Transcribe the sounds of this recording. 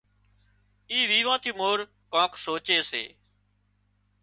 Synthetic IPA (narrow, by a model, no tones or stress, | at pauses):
iːʋiːʋãːt̪ʰiːmoːɾ | kãːkʰsoːt͡ʃeːsḛː